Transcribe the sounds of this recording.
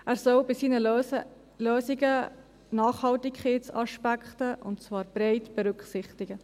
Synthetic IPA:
ʔæːɾsɔlbɪsiːnə | løːsiɡə | nɑːχhɑltɪkχetsɑ̰ʃpækχtəʔʊ̰ntt͡svɑːɾb̥ɾɛɪtb̥ɛɾʏkχsɪχtɪɡ̥ə

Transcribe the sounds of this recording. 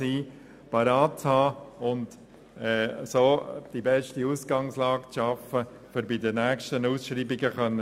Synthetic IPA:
iː | pɑɾɑːt̚t͡shɑːʊnd | ɛːsoːd̥ibɛʃtiusɡ̥ɑŋslɑːkt͡sʃɑfːə | fʏɾbɪd̪ənæːkʃtənusʃɾiːbɪɡəχœnːə

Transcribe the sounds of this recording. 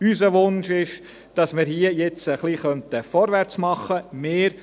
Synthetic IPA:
ysəʋʊnʃɪʃ | d̥ɑsmɪɾhiəjɛt͡səχliχœntəfɔɾʋæɾt͡smɑχəmeːɾ

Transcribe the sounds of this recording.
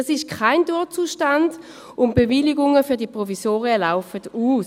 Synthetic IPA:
asɪʃkʰaɪnduːɐt͡suːʃtand | ʊnb̥eviliɡʊŋəfyɐdiəpʁɔvisoːʁiəlaʊfəduːs

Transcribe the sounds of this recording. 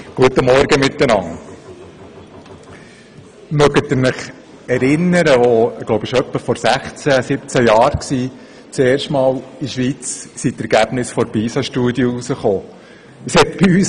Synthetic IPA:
ɡ̥uət̪ːəmɔɾɡəmɪt̪ːənɑŋ | mœɡət̪əɾnɪχ | ɛɾɪnːəɾəʋoɡ̥loʊbəʃœpːəfɔɾsæχt͡sæsɪpt͡sæjɑːɾksiː | t͡seːɾʃtmɑːliʃʋiːt͡ssit̪ɛɾɡ̥æb̥nɪsfɔɾbiːsɑʃtuədjəusəχoː | əshɛt̪b̥iyːs

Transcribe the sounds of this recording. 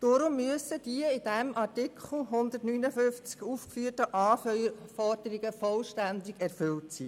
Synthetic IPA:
d̥ʊɾʊmːyəsəd̥iəɪd̥ɛmʔɑrtɪkʰχl̩ɦʊnd̪ətnyːnəfʏnft͡skufkfyːrtəʔɑːfœfɔrd̥əɾɪɡəfɔlʃtændɪɡɛrfʏltsḭː

